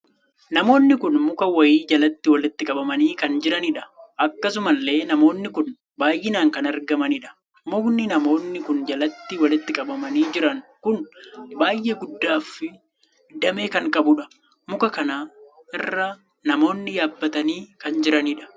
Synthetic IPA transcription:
nɐmo̞ːnːɪkʊnmʊkɐwɐjiːd͡ʒɐlɐt̪ːɪwɐlɪt̪ːɪkʼɐbɐmɐniːkɐnd͡ʒɪɾɐniᶑɐ̥ʔɐkːɐsʊmɐlːe̞ːnɐmo̞ːnːɪkʊn | baːjʔɪnaːŋkɐnɐɾɡɐmɐnɪᶑɐ̥ | mʊnːɪnɐmo̞ːnːɪkʊnd͡ʒɐlɐt̪ːɪwɐlɪt̪ːɪkʼɐbɐmɐniːd͡ʒɪɾɐŋkʊnbaːjʔeːɡʊd̪ːaːfɪ | d̪ɐmeːkɐŋkʼɐbʊᶑɐ̥ | mʊkɐkɐnaː | ʔɪrːaː | nɐmo̞ːnːɪjaːbːɐt̪ɐniːkɐnd͡ʒɪɾɐniːᶑɐ̥

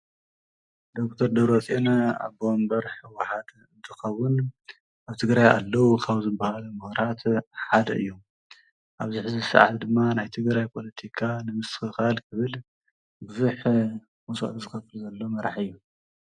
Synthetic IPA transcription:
d̪o̞kt̪ʰɐɾd̪ɐβɾot͡sʼenaa̰βbombɐɾħɨwaħad̪ | ɨnt̪ʰɨxɐwːʊn | ʔaβt̪ʰɨɡɾaja̰lːɐwukʰaβzɨbːahalɐmɨxɾat̪ħad̪ɐʔɨjːu | ʔaβzɨħzɨsa̰ʕa̰t̪ʰd̪ɨmːanajt̪ʰɨɡɾajpʰo̞lɐt̪ʰikʰanɨmɨsxɨxalkʰɨβɨl | bɨzuħ | wuso̰ʔt̪zɨxɐfɨlzɐlːo̞mɐɾaħɨjːu

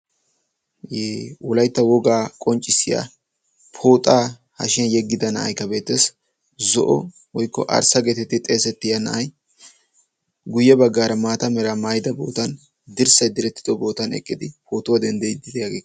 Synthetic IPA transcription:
jeːwɔlɐjt̪ːɐwɔɡaːkʼɔnt͡ʃʼːɪsɪja̰ | pʰo̞ːt̪ʼaː | hɐ̰ʃɪɐnjɛɡːɪd̪ɐnɐʔɐ̰jkːɐbe̞ːt̪ːeːs | zɔ̰ʔɔ | wɔjkːɔ̰ʔɐ̰ɾsɐɡeːt̪ɛt̪ːɪt̪ʼe̞ːsɛt̪ːɪjɐnɐ̰ʔɐj | ɡʊjːɛbɐɡːaːɾɐmaːt̪ɐmɛɾɐmaːjɪd̪ɐbo̞̰ːt̪ɐn | d̪ɪɾsɐjd̪ɪɾɛt̪ːɪ̥d̪ɔbo̞ːt̪ɐnɛ̰kʼːɪd̪ɪpʰo̞ːt̪ʊwɐd̪ɛnd̪ɛjd̪ɪd̪ɛjaɡeːkː

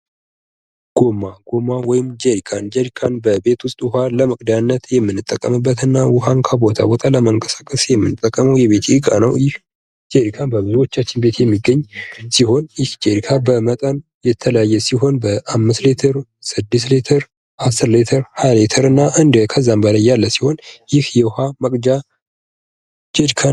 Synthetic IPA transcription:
ɡ̥o̞mːaɡ̥o̞mːawɔjɪmd͡ʒeɾikʰand͡ʒeɾikʰanbəbe̞t̪wʊst̪ʼwhaləmɨkʼd̪anːət̪jɛmːɨnːɨt̪ʼːəkʼːəmɨbːət̪ɨnːawʊɦankʰəbo̞t̪ʰa̰bot̪ʰaləməŋkʼəsḁkʼəsjɛmːɨnɨt̪ʼːəkʼːəməwjɛβe̞t̪ʰːkʼanəwjɪh | d͡ʒeɾikʰanbəbɨzuwo̞t͡ʃːat͡ʃːɪnbe̞t̪jɛmːiɡːəɲːsiho̞njɪhd͡ʒʼeɾikʰabəmət̪ʼən | jɛt̪ʰələjajːɛsiɦo̞nbəʔamːɨst̪let̪ʰəɾsɨd̪ːɨslet̪ʰəɾ | asɨɾlet̪ʰəɾhajlet̪ʰəɾɨnːaʔɨnd̪kʰəzːambəlajːalːəsiho̞njɪhjɛwhaməkʼd͡ʒa | d͡ʒed͡ʒkʰa

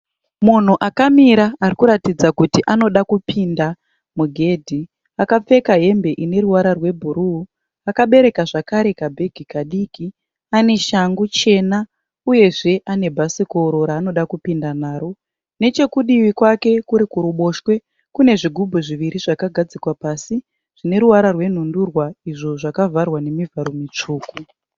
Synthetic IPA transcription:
mun̤uʔakamiɾaːrikuɾatid͡zakutiʔano̞ɗakupʰinda | muɡʱe̞ːdʱi | akap͡fe̞kaɦe̞mbe̞ʔine̞ɾuwaɾarwe̞bʱuɾuu | akaɓe̞ɾe̞kaʐakaɾe̞kabʱe̞ɡʱikaɗiːki | ane̞ʃaŋɡut͡ʃe̞na | uje̞ʐe̞ʔane̞bʱasiko̞ɾo̞ɾaːno̞ɗakupindanaːɾo̞ | ne̞t͡ʃe̞kuɗiʋikwake̞kuɾikuɾuɓo̞ʃwe̞ | kune̞ʐiɡʱubʱuʐiʋiɾiʐakaɡʱad͡zikwapaːsi | ʐ̥ine̞ɾuwaɾarwe̞n̤undurwaiʐo̞ʐakavʱarwane̞mivʱaɾo̞mit͡ʂuːku

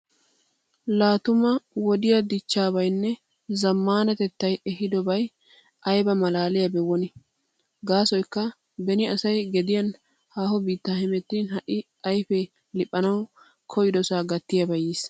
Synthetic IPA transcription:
laːt̪ʊmɐwɔd̪ɪjɐd̪ɪt͡ʃːaːbɐjnːɛ | zɐmːaːnɐt̪ɛt̪ːɐjɛɦɪd̪ɔbɐj | ʔɐjbɐmɐlaːlɪjɐbɛwɔnɪ | ɡaːsɔjkːɐ | bɛnɪɐsɐjɡɛd̪ɪjɐn | haːhɔbiːt̪ːaːhɪmɛt̪ːinɦɐʔɪ | ɐjfɛ | lɪpʼːɐnɐw | kʰɔjɪd̪ɔsaːɡɐt̪ːɪjɐbɐjiːs

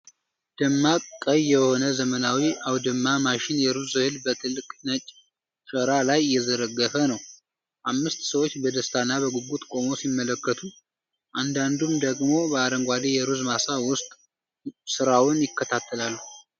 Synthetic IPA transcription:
d̪̥əmːakʼːəjːɛho̞nəzəmənawiʔawd̪əmːamaʃɪnjɛɾuzɨhɨlbət̪ʰɨlːɨkʼnət͡ʃʼ | səɾalajːɛzəɾəɡːəfənəw | ʔamːɨst̪səwo̞t͡ʃːbəd̪əst̪ʰanːaβəɡuɡut̪ʼkʼo̞mo̞simːələkːət̪ʰu | ʔand̪and̪umd̪əɡmo̞bəaɾəŋɡʷad̪ejɛɾuzmasawʊst̪ʼ | sɨɾawʊnjɪkʰːət̪ʰat̪ʰːəlalːuh

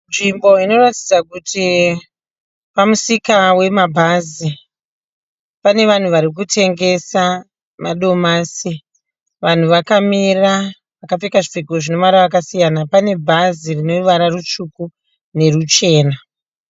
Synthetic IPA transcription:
nʐimbo̞ino̞rati̥d͡zakutʰi | pamusikawe̞mabʱazi | pane̞ʋan̤uʋaɾik̬utʰe̞ŋɡe̞sa | maɗo̞maːsi | ʋan̤uʋakamira | ʋakap͡fekaʐifeɡoʐino̞ʋaɾaakasijanapane̞bʱazirino̞uʋaɾarut͡ʂuku | ne̞rut͡ʃe̞ːna

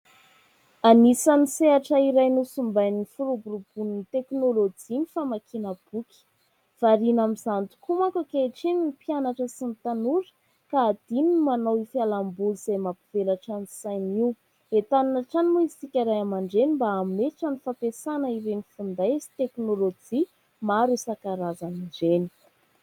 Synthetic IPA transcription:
anisaniseaʈ͡ʂəiɾajnusumbajnifuɾubuɾub̥unit̪eknolod͡ʒinifamakʰinəb̥ukʲi̥ | v̥aɾinamizant̪u̥kumakakeʈ͡ʂininipianaʈ͡ʂəsinit̪anuɾə̥ | kaːd̪̥inimanawifialambuluz̥ajmapiv̥elaʈ͡ʂanisajniw | et̪anunaʈ͡ʂanimuisikʲaɾajamaɳɖ͡ʐenimbaameʈ͡ʂanifapesanəiɾenifund̪ajsi̥t̪eknolod͡ʒi | maɾusakaɾazaniɳd͡ʒeni̥

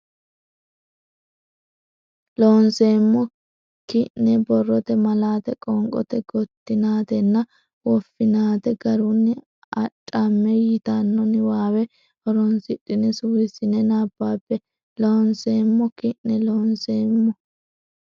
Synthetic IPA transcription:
loːnse̞ːmːɔ | kɪʔːɛbɔrːɔt̪ɛmɐlaːt̪ɛkʼɔŋkʼɔ̰t̪ɛɡɔt̪ːɪnaːt̪ɛnːɐ | wɔfːɪnaːt̪ɛɡɐɾʊnːɪ | ɐtʼːɐmːɛjɪt̪ɐnːɔnɪwaːwɛ | ɔɾɔnsɪᶑːɪnɛsuːɾɪsɪnɛnaːbːaːpːɛ | loːnse̞ːmːɔkɪʔnɛloːnseːmːɔ

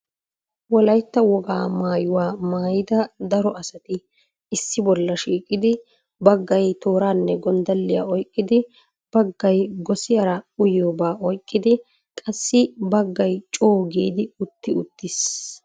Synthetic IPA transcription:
wɔlɐjt̪ːɐwɔɡa̰ːmaːjʊwaːmaːjɪd̪ɐd̪ɐɾɔɐsɐt̪ɪ | ɪsːɪbɔlːɐʃiːkʼːɪd̪ɪ | bɐɡːɐjt̪o̞ːɾaːnːɛɡɔnd̪ɐlːɪja̰ːɔjkʼːɪd̪ɪ | b̥ɐɡːɐjɡɔsɪjɐɾɐʊjoːbaːʔɔjkʼːɪd̪ɪ | kʼɐsːɪbɐɡːɐjt͡ʃʼo̞ːɡiːd̪ɪʊt̪ːɪʊt̪ːɪs

